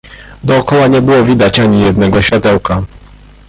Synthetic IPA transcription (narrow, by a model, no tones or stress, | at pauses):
d̪ɔːkɔwaɲɛbɘwɔvʲid̪at͡ɕaɲijɛd̪nɛɡɔɕfʲjat̪ɛwka